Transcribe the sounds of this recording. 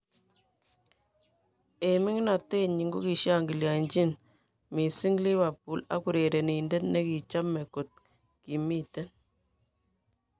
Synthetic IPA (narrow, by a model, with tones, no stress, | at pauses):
e˨mi˦ŋ˦na˨te˦ɲi˨ŋɡo˦ki˨ʃja˦ŋɡi˨lja˨ɲd͡ʒi˦n | mi˨si˦ŋɡli˦βa˨pu˦la̰˦ku˨ɾe˨ɾe˨ni˨nde˦tne˦ki˨t͡ʃa˦mːe˨ko˨t̚ | ki˨mi˦te˦n